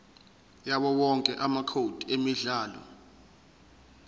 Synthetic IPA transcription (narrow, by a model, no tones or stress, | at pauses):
jaɓɔwɔŋkʼɛʔamakʰod̥ʱiemiɮaːlɔ̰